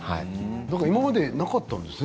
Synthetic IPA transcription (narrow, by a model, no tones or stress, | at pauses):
ha̰ḭd̪akaɾimamad̪e̞nakat̪ːãnd̪e̞sɨ